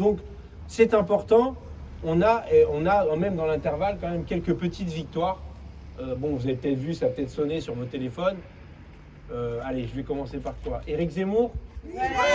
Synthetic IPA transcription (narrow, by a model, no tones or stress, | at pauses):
d̪ɔ̃k | sɛt̪ɛ̃pɔʁt̪ɑ̃ | ɔ̃naeɔ̃namɛmd̪ɑ̃lɛ̃t̪ɛʁvalkɑ̃mɛmkʲɛlkəpət̪ʰit̪vik̚t̪waːʁ | øbɔ̃vuzɛt̪pət̪ɛt̪vysapət̪ɛt̪χsɔnesyʁmɔ̃t̪elefɔn | øaleʒəvɛkɔmɑ̃sepaʁkwaʔeʁikzemuʁ